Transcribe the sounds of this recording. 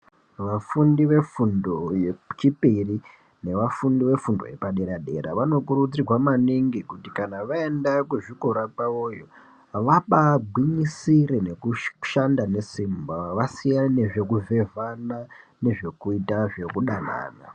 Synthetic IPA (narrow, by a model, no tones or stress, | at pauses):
ʋafundiʋe̞fundo̞jet͡ʃipiri | ne̞ʋafundiʋe̞fundo̞̰je̞paɗeɾaɗe̞̰ɾa̰ʋano̞k̬uɾud͡zirwamaniŋɡikutikanaʋae̞ndakuʐikoɾapaojo̞ | ʋaɓaɡʱwiɲisiɾene̞kuʃandane̞simbaʋasijanne̞ʐe̞kuve̞vanane̞ʐe̞kuitaʐe̞kuɗana̰ːna̰